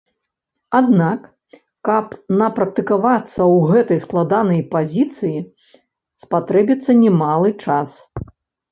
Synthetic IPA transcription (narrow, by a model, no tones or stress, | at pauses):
ad̪nakː | ɐpnɐpɾɐk̚t̪ɨkavat̪sːɐwɣɛt̪ɐjsklˠad̪anɐjpazʲit̪sɨji | spat̪ɾɛbʲit̪sːɐnʲɛmalˠɨt͡ʂas